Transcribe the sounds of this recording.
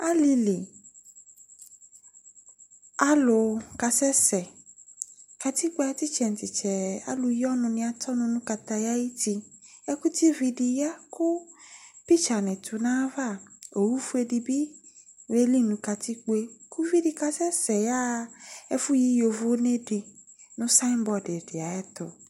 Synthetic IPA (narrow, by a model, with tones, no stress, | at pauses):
a˦li˨li˨ | a˦lʊ˨ka˨sɛ˦sɛ˨ | ka˨t̪i˦k͡pe˦a˨t̪i˦t͡ʃɛ˨n˨t̪i˨t͡ʃɛ˨a̰˦lʊ˨jɔ˦nʊ̃˨nĩ˨a˨t̪ɔ˦nʊ̃˨nũ˦ka˨t̪a˨ja˦ji˦t̪i˧ | ɛ˦ku˦t̪i˦vi˨di˨ja˦kʊ˦pi˦t͡ʃa˨nɪ̃˨t̪ʰʊ˨nã˦va˦˨o˨wu˦fu˦e˨di˨bi˦ | we˦li˦nũ˨ka˨t̪ʰi˦k͡po˦e˦kʰu˦vi˦di˨ka˨sɛ˦sɛ˨ja˦e˦fʊ˦ji˦jo˨vʊ˦ne˦ɖɪ˨ | nʊ̃˦sa˦mbɔ˨dɪ˨ɖɪ˨a˨ɛ˦t̪ʊ̰˨